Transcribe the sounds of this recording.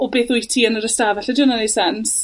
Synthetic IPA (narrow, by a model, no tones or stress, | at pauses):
ɔbeːθʊjtʰiənəɾəstavɛɬɛdɪnanisɛns